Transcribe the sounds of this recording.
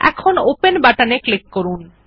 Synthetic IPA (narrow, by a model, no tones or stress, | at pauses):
ɛ̰kʰonopenbaʈaneklikːoɾun